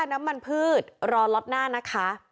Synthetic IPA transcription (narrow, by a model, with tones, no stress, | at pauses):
na˦˥mːa˧npʰɯː˥˩t̪̚ɾɔː˧lɔ˦˥t̪̚naː˥˩na˦˥kʰa˦˥ʔ